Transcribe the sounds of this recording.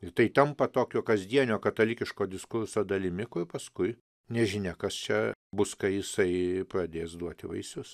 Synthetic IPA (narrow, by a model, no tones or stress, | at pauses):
ɪt̪ɐɪt̪ɐmpɐt̪oːkʲoːkɐzʲd̪ʲiɛnʲoːkɐt̪ɐlʲikʲɪʃkoːd̪ʲɪskʊɾsoːd̪ɐlʲɪmʲɪkʊrpɐskʊɪ | nʲɛʒʲɪnʲɛkɐst͡ʃʲɛbʊskɐɪjɪsɐɪpɾɐd̪ʲeːsd̪uɔt̪ʲɪʋɐ̰ɪsʲʊs